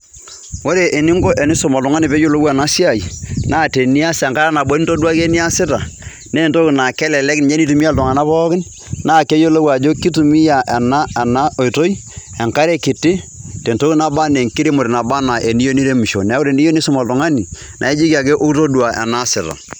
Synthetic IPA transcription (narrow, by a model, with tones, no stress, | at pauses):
wo˦ɾe˨ʔe˨nɪ˦ŋɡo˦ʔɛ˨nɪ˦sɔ˦˨ma˨ltu˨ŋa˦ni˨pe˦jo˦lo˦wɛ˨na˦si˦a˦˨i˨naː˦˨te˨ni˦a˦sɛ˨ŋka˦ɾa˦na˨bo˦ni˦to˦dwa˦ke˦ni˦a˦sɪ˦ta˨ | ne˦˨nto˦kɪ˨na˨kɛ˦lɛ˨lɛ˦kn˨ɲɛ˦ni˦tu˨mi˦ja˦ltʊ˨ŋa˨na˦pɔ˦kɪ˦n | naː˦˨ke˦jo˦lo˦wa˨d͡ʒo˦ki˦tu˨mi˦ja˨ʔɛ˨na˦ɛ˨na˦o˨i˨to˦i˦ɛ˨ŋka˦ɾɛ˦kɪ˨tɪ˦te˨nto˦ki˦na˦ba˦ne˨ŋki˦ɾi˦mo˨ɾe˨na˨ba˦na˨ʔe˨ni˦jo˦ni˦ɾe˦mu˨ʃo̰˨nɛ˨˦wo˦ɾe˨ni˦jo˦ni˦sʊ˦ma˨ltʊ˨ŋa˦ni˨ | nʔa̰˨e˦d͡ʒi˦ka˨ke˦ʔo˦to˦dwa˨ʔɛ̰˨na˦sɪ˨ta̰˨